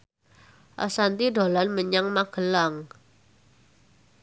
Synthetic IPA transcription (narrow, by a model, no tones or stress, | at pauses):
ʔə̰sant̪ido̤lanməɲaŋmaɡ̥ə̤laŋ